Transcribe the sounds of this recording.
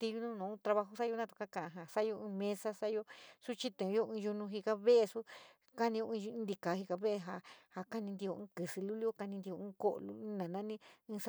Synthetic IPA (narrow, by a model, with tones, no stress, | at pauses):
t̪i˧ju˧nũ˦nũ˨˦t̪ɾa˧βa˧ɦo˧sa˦jo˧nã˦t̪u̥˨ka˦kã˨ʔã˨ɦa˨sa˦jo˧ĩ˧mẽ˦sa˦sa˦jo˧su˦t͡ʃi˦t̪ẽ˨˧jo˦ʔũ˧ju˧nũ˧ɦi˧ka˧βe˦ʔe˧su˦ | ka˦nĩ˧jõ˧˦˧ũ˧˦nd̪i˧ka˨˦hi˧ka˧βe˦e˧ɦa˧ha˧ka˦nĩ˧nd̪i˧o˧ɨ̃˦kɨ˨sɨ˧lu˦li˦o˦ka˧nĩ˧nd̪i˧o˧ũː˦ko˦ʔlṵ˦nã˨nã˦nĩ˦ĩː˧s